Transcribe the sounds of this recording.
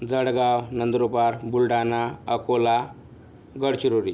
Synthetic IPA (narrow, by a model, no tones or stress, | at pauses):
d͡zəɽɡawnənd̪ɾupaɾbulɖanaəkʰola | ɡəɽt͡ɕiɾuɾi